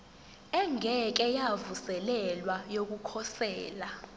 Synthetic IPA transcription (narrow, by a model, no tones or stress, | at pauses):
ɛŋʱɛk̬ɛjavusɛlɛlwajok̬ukʰɔsɛːla